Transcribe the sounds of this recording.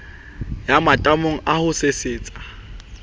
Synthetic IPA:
jamatʼamoŋ̩ʔahʊsesɪːt͡sʼḁ

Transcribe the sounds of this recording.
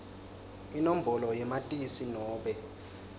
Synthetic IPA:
inom̩bʱɔlɔjɛmatʼisinɔːɓɛ

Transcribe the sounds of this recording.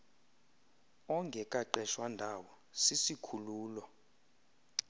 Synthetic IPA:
ɔŋɡʱɛkʼaǃɛʃwandʱawɔ | sisikʰuluːlɔ

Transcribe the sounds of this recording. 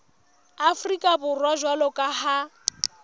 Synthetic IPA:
afrikʼabʊrwaʒwalɔkʼaha

